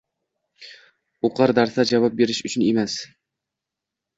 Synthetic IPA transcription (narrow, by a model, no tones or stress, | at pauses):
oqʰɑɾd̪æɾsad͡ʒavɑp̚be̞ɾɪʃʊt͡ʃʰɪnemæs